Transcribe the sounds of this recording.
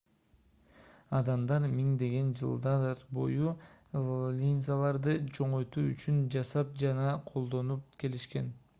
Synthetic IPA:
ɑd̪ɑmd̪ɑɾmiŋd̪e̞ɡe̞nd͡ʒɯ̰lˠd̪ɑɾbo̞̰ju | lʲinʲzalˠɑɾd̪ɯt͡ʃʰo̞ɴo̞jt̪uːyt͡ʃynd͡ʒɑsɑp̚d͡ʒɑnɑqʰo̞lˠd̪o̞nup̚ke̞liʃke̞n

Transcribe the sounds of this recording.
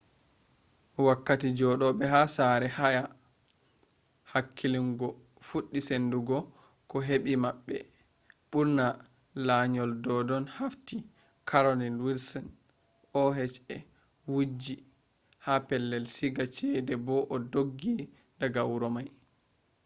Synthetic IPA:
wakːatid͡ʒɔɗɔɓɛɦasaɾɛhaja | hakʰːiliŋɡɔ | fuɗːisenduɡɔ | kɔɦeɓimaɓːɛ̰ | ɓuɾna | laɲɔldɔdɔnhafti | kʰaɾɔlinwilsɔn | ɔɦɛt͡ʃɛ | wud͡ʒi | hapɛlːɛlsiɡat͡ʃɛdɛbɔʔɔdoɡːi | daɡawɾɔmaj

